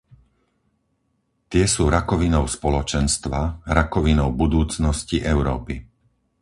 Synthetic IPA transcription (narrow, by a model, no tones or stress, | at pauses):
t̪ɪɛsuːɾakɔʋinɔʊspɔlɔt͡ʃɛnst̪ʋaɾakɔʋinɔʊbud̪uːt͡snɔsciʔɛʊɾɔ̰ːpi